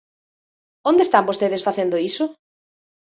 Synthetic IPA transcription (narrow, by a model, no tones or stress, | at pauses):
ond̪est̪ambost̪eðesfaθend̪oisʊ